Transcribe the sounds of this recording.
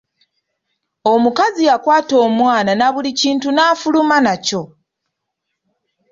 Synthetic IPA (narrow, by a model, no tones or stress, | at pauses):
omukazijakwaːto̞ːmwaːnanaβuliciːntunaːfulumanaco̞